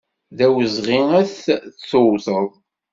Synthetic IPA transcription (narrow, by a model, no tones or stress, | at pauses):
ðæwəzʁiŋæθθːʊwθəðˤ